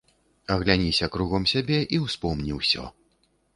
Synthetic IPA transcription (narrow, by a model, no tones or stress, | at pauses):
ɐɣlʲanʲisʲɐkɾuɣɐmsʲabʲɛʔiwspɔmnʲiwsʲɔ̰